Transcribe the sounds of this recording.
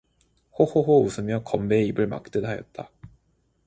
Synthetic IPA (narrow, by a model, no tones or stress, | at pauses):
hohoɦousʰɯmjʌkʌmbe̞ibɯɭma̰k̚t͈edɦajʌ̰t̚t͈a